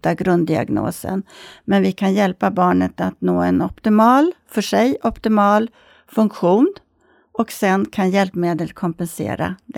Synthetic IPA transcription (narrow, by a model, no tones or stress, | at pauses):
t̪aɡɾɵnd̪d̪ɪa̰ɡno̰ːsə̰nmɛnvɪkʰanjɛlpabɑːɳət̪at̪noːɛnɔpt̪ɪmɑːlfœʂɛjʔɔpt̪ɪmɑːl | fɵŋkɧuːn | ʔɔksɛnkʰanjɛlpmeːd̪əlkʰɔmpɛnsḛːɾa̰d̪